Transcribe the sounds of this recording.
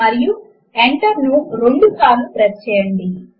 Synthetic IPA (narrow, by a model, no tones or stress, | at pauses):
ɐɾiju | eɳʈɐɾnuɾoɳɖut̪aːnupɾɐtt͡ʃɛːjɐɳɖi